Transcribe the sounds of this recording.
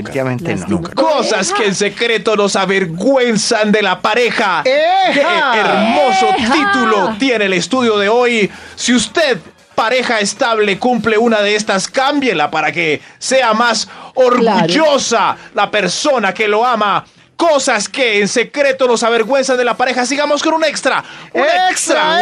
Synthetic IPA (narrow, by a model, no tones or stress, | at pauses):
et̪iβamẽnt̪ḛnṵŋkkosaskeːnse̞kɾe̞t̪o̞no̞saβeɾɣwe̞nsand̪e̞lapaɾe̞xakeɾmo̞so̞t̪it̪ulo̞t̪je̞neːlest̪uðjo̞ðe̞o̞jsiust̪e̞ð | paɾe̞xaest̪aβle̞kumple̞unaðeest̪askambje̞lapaɾake̞se̞amasoɾɣuʝo̞salape̞ɾso̞nakelo̞ama | ko̞saske̞ːnse̞kɾe̞t̪ono̞saβe̞ɾɣwe̞nsand̪elapaɾe̞xas̬iɣamoskonũnekst̪ɾa̰uneksɾa